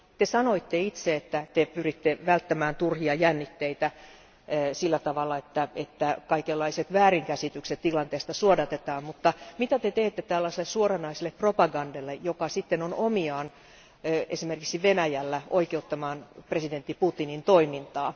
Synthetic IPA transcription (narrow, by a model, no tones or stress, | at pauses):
t̪esɑnoit̪ːeit̪seet̪ːæt̪epyrit̪ːeʋælt̪ːæmæːnt̪urhiɑjænːit̪ːeit̪æ | silːæt̪ɑʋɑlːɑet̪ːæet̪ːækɑikelːɑiset̪ʋæːriŋkæsit̪ykset̪t̪ilɑnt̪eːst̪ɑsuodɑt̪et̪ɑːmmut̪ːɑmit̪æt̪et̪eːt̪ːet̪æːlːɑselːessuorɑnɑiselːepropɑɡɑndelːejokɑsit̪ːenonomiɑːn | esimerkiksiʋenæjælːæoikeut̪ːɑmɑːnpresident̪ːiput̪inint̪oimint̪ɑː